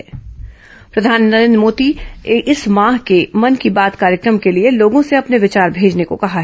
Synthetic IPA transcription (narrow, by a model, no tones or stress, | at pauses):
ɛː | pɾɐd̪ʱaːnːɐɾẽnd̪ɾmoːd̪iɪsmãːɦkemɐnkibaːt̪kaːɾjəkɾəmkelieloːɡõseɐpneʋɪt͡ʃaːɾbʱeːd͡ʒnekokɐɦaɦ